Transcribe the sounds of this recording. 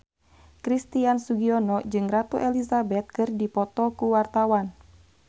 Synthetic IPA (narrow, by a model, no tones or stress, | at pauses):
kɾist̪iansuɡiɔnɔd͡ʒɨŋrat̪uʔɛlizabɛt̪̚kɨrdipɔt̪ɔkuwart̪awan